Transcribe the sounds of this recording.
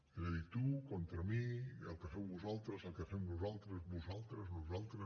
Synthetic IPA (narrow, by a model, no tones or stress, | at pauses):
ezəðit̪ukont̪ɾəmiəlˠkəfɛwβuzalˠt̪ɾəzəlˠkəfɛmβuzalˠt̪ɾəzβuzalˠt̪ɾəznuzalˠt̪ɾə